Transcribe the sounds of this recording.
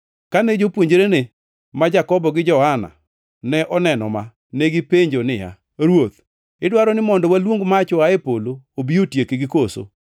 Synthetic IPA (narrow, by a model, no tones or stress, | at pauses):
kanɛd͡ʒopwoɲd͡ʒeɾene | mad͡ʒakɔbɔɡɪd͡ʒɔhana̰ | nɛʔɔnɛnɔ̰ma | nɛɡɪpeɲd͡ʒonɪja̰ | ɾwot̪ | ɪdwaɾɔnɪmɔndɔwalwoŋɡmat͡ʃʊaepoloobiotjekeɡɪkoso̰